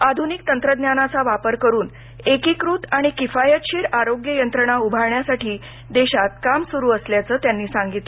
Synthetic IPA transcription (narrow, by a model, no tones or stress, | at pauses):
ad̪ʱunik̚t̪ənt̪ɾəd̪njanat͡saʋapəɾkəɾuːn | ekikɾuːt̪aɽ̃ikifajət̪ɕiːɾaɾoɡjəjənt̪ɾəɳ̃aubʱaɭɳjasaʈiː | d̪eɕat̪̚kamsuɾuːəsljat͡səːt̪janːiːsãŋɡit̪